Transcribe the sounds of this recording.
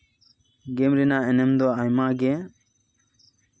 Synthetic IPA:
ɡɛmɾɛnaɛnɛmd̪ɔajmaɡɛ

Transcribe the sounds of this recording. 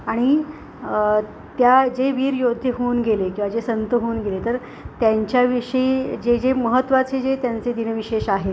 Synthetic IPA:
aɽ̃i | t̪jad͡ʑeʋiːɾjod̪ʱjəɦounɡelekĩw̃ʋad͡ʑesənt̪əɦouːnɡelet̪əɾ | t̪jaɲt͡ɕjaʋiʂəid͡ʑed͡ʑeməɦət̪ːʋat͡sed͡ʑet̪jant͡sed̪inəʋiɕeɕaɦe

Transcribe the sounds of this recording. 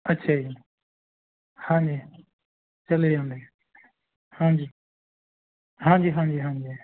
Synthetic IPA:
ətːʃʰaːɦi | hãːɲd͡ʒiː | t͡ʃəled͡ʒãːnd̪eː | hãːd͡ʒiː | ɦãːd͡ʒiːɦãːɲd͡ʒiːɦãːd͡ʒiː

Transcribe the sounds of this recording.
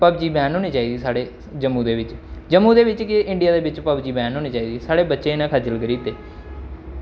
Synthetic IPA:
pəbd͡ʒiːbɛːnɦoːniːt͡ʃaːiːd̪iːsaːɽeː | d͡ʒəmːũːd̪eːʋɪt͡ʃd͡ʒəmːũːd̪eːʋɪt͡ʃkɪʔɪɳɖɪjaːd̪eːʋɪt͡ʃpəbd͡ʒiːbɛːnɦoːniːt͡ʃaːiːd̪iːsaːɽeːbətːʃeːɪnãːkʰad͡ʒəlɡəɾiːt̪eː

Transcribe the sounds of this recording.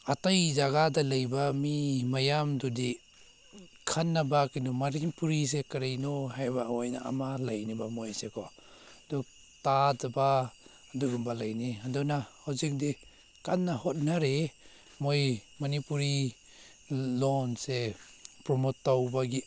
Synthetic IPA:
atajzaɡadalajbamimajamdudi | kʰanːabakindɔmaɾipuɾis̬ekaɾajnɔhajbaɔjnaa̰malajnibamojsekʰɔ | du | tazabaː | duɡumbalajniadɔnahawzik̚di | kanːahɔt̚naɾe | mojmanipuɾi | lɔnse | pɾɔmotːawbaɡi

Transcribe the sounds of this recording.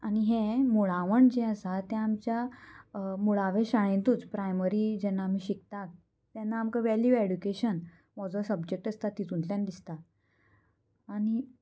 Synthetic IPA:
aɽ̃iɦẽmuɭãʋəɳd͡ʑeəsat̪ɛ̃ːmt͡ɕja | muɭaʋeɕaɭ̃ẽnt̪uːt͡spɾajməɾid͡ʑɛnːaːm̤iɕikt̪ak̚ | t̪janːaːmkaʋæljueɖukeɕən | ʋɔd͡zɔsəbd͡ʑek̚ʈəst̪at̪ːit̪ũnt̪ãnd̪ist̪a | aɽ̃i

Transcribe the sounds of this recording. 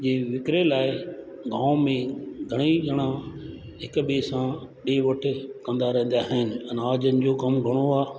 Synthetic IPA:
d͡ʑeːʋɪkɾelaːɪ | ɡãːʊmẽɡʱɐɽ̃iʄɐɽ̃ã | ɦɪkɓesãɗeːʋɐʈʰɪ̆kɐ̃nd̪aɾɛ̃ːnd̪jaɦɪɪnɪ̆ɛ̃naːd͡ʑənɪ̆d͡ʑoːɡɐmɡʱɐɽ̃oaː

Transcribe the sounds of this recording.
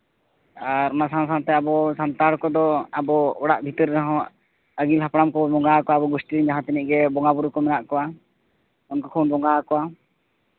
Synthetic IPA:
aɾnasãns̬ãnt̪ɛabɔsant̪aɽkɔd̪ɔabɔɔɽaʔbʱit̪əɾɾɛɦɔ̃ | əɡilɦapɽamkɔbɔŋɡaakɔwaabɔɡusʈiiɲd͡ʒaɦãt̪ɛniʔɡɛbɔŋɡabuɾukɔmɛnaʔkɔwa | ɔnkɔkʰownbɔŋɡaakɔwa

